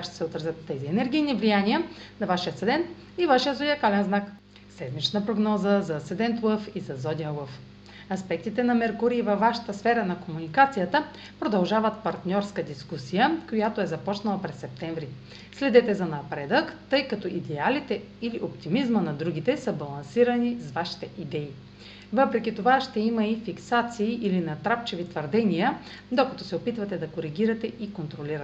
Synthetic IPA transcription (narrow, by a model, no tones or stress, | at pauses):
kakʃt̪ɛsɛot̪ɾəzʲət̪ːɛziɛnɛɾɡ̟ijnivlijaniənɐvaʃiət̪sɛd̪ɛnt̪ | ivaʃijət̪zod̪ʲiɐkalɛnznak | sɛd̪mit͡ʃnəpɾoɡnɔzəzɐsɛd̪ɛnt̪ləfizɐzɔd̪ʲiɐlˠəf | ɐspɛk̚t̪it̪ɛnɐmɛɾkʊɾiːvɐfvːaʃə̥t̪əsfɛɾənɐkomunikat̪sijət̪ə | pɾod̪ɐlˠʒavət̪pɐɾt̪nʲɔɾskəd̪iskusijəkojat̪oɛzɐpɔt͡ʃnɐlˠɐpɾɛsːɛp̚t̪ɛɱvɾi | slɛd̪ɛt̪ɛzɐnɐpɾɛd̪əkt̪ɤjkɐt̪ɔʔid̪ɛalit̪ɛ | iliʔopt̪imizmənɐd̪ɾuɡ̟it̪ɛsəbɐlˠɐnsiɾɐnisvaʃi̥t̪ɛʔid̪ɛi | vɤpɾɛkʲit̪ovaʃt̪ɛimɐifiksat̪siːʔilinɐt̪ɾapt͡ʃɛvit̪vəɾd̪ɛnijə | d̪okɐ̥t̪ɔsɛopit̪vɐt̪ɛd̪ɐkoɾiɡ̟ʲiɾɐt̪ɛikont̪ɾoliɾɐt̪ɛ